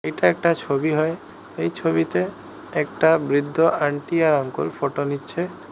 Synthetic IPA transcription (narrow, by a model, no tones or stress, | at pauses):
ejʈaɛk̚ʈat͡ɕʰobiɦɔe | ejt͡ɕʰobit̪e | ɛk̚ʈabɾid̪ʱːoʔaɳʈiaɾaŋko̰lfoʈonitːɕʰe